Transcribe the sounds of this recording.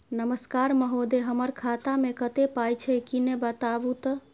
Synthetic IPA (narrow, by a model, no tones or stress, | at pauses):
nəməskaɾməɦod̪eɦəməɾkʰat̪amekət̪epajt͡ʃʰɛkinebət̪abut̪ə